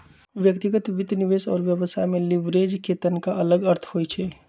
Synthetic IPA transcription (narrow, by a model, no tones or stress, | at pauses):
ʋjəkt̪iɡət̪ʋɪd̪niʋeːsɔ̰ːɾʋjəʋəsʰaɦmẽlɪʋɾeːd͡ʒket̪ənkaʔɐləɡəɾt̪ʰhoːjt͡ʃʰɛː